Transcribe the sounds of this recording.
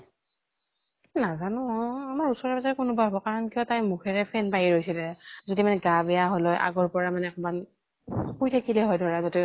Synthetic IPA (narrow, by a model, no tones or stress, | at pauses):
nazanɔamaɹusɔɹabazaɹɛkʊnʊbabɔkaɹɔnkiɔtajmukʰɛɹɛpʰɛnpajiɹojsilɛzodimanɛɡabɛjaɦɔlɔjʔa̰ɡɔɹpɔɹamanɛɛkɔman | kujtʰakilɛɦɔjdʱɔɹazɔtɛ